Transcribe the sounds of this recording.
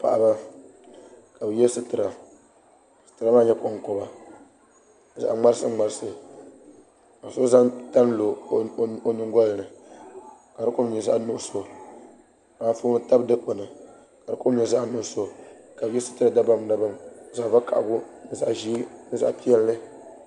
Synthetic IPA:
pa̰˨ʔba˦ | ka˨bjɛ˦lsɨ˦tɨ˨ɾa˨ | sɨ̥˨tɨ˨ɾa˦maː˦ɲɛ˦ko˦ŋ˦ko˦ba˨ | za̰˨ʔŋ͡ma˦ɾɨ˦sɨ˦ŋ͡ma˨ɾɨ˦sɨ˨ | ka˨so˦za˦ŋta˦n˦lo˨˦ | o˨ɲɪ˦ŋɡɔ˦lɨ˨nɨ˨ | ka˨ɾɨ˦kʊ˦m˦ɲi˨za˦ʔnʊ˦so˨ | aː˨˦fu˦m˦ta˦bdɨ˦k͡po˨nɨ˨ | ka˨ɾɨ˦kʊ˦m˦ɲi˨za˦ʔnʊ˦ʔso˨ka˨bjɛ˦sɨ̥˦tɨ˦ɾa˨da˦ba˦mda˦ba˦m˦za˦˨va˦ka̰˨ʔbʊ˦nɨ˨za̰˦ʔʒi˦nɨ˦za̰˦ʔpi˦ɛ˦lːɨ˦

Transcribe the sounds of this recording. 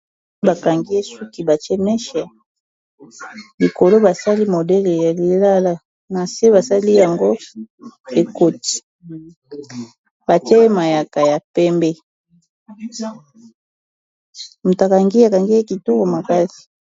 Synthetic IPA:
ba˨ka˨ŋɡi˦e˦su˦ki˨ba˨t͡ʃɛ˦mɛ˦ʃa˨ | li˨ko˨lo˦ba˨sa˦li˦mo˨dɛ˦le˨ja˨li˨la˦la˦ | na˨se˦βa˨sa˦li˦ja˨ŋɡo˦ | e˨ko˨ti̥˨ | ba˨t͡ʃɛ˦ma˨ja˨ka˨ja˨pɛ˦mbɛ˦ | mu˨ta˨ka˨ŋɡi˦a˨ka˨ŋɡi˦e˦ki˨tɔ˦ko˨ma˨ka˦si̥˨

